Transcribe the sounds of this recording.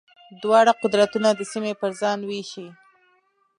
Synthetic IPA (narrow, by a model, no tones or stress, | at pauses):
d̪wɑɽaqʊd̪ɾat̪unad̪əsimepəɾzɑnweʃi